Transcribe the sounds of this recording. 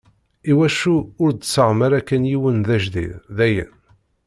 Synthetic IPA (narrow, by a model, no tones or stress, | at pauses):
iwæʃuʊɾd̪t͡sːəʁməɾækːænjiwənðæʒðḭððæjə̰n